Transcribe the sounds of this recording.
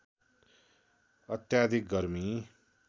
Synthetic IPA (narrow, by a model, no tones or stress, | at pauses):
ʌt̪jad̪ʱik̚ɡʌrmi